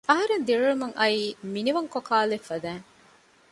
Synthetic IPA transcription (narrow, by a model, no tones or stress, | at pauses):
ɐɦɐɾend̪iɭuɭumɐŋɐiːminiʋɐŋkokaːlefːɐd̪æːŋ